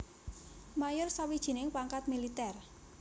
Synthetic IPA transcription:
majʊrsawid̥ʒ̥i̤nɪŋpaŋkat̪̚milit̪ɛr

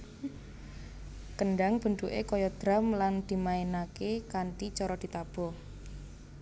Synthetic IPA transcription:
kəɳɖaŋb̥ə̤ɳɖ̪uʔḛkɔjɔd̪̥ɾa̤mland̪̥i̤maenakekaɳʈit͡ʃɔɾɔd̪̥i̤t̪ab̥ɔ̤

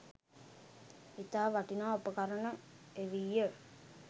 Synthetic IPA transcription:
it̪aːʋaʈinaːopəkaɾənə | eʋijːə

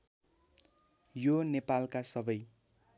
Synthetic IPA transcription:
jonepalkasʌbʌj

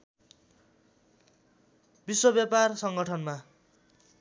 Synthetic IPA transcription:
biswobjaparsʌŋɡʌʈʰʌnma

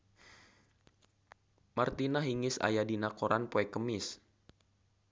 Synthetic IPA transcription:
mart̪inaɦiŋɪsa̰jadinakoɾʔanpoɛkəmɪs

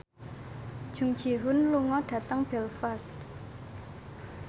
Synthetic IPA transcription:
d̥ʒ̥uŋd̥ʒ̥i̤ɦʊnluŋɔɖ̥ä̤t̪əŋb̥ɛlfast̪

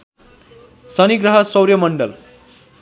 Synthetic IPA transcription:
sʌniɡɾəɦəsʌwɾjʌmʌɳɖʌl

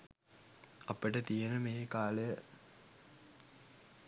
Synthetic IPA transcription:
ɐpːeʈət̪ijenəmeːkaːlej

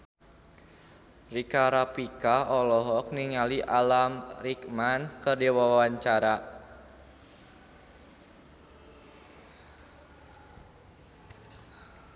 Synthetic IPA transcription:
rikaɾapikaɔlɔɦɔk̚niŋaliʔalamrikmankərdiwawaɲt͡ʃaɾa

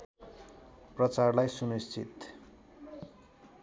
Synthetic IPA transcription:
prʌt͡sarlajsunist͡sʰit̪

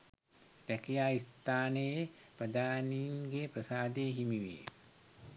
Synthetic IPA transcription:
d̪ækijaːist̪aːnəje | prəd̪aːninɡeːprəsaːd̪eːɦimiʋḛː

